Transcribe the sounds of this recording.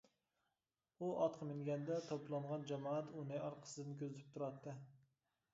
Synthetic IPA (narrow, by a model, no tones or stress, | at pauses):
uʔɑt̪qʰɑmɪŋɡʲɛnd̪ɛt̪ʰoplˠɑɴʁɑnd͡ʒɛmɑːæt̪unɨɑɾqʰə̥sɨd̪ɪnkʲʰøzɪt̪ʰɪ̥p̚t̪ʰuʊɾɑt̪ʰːɨ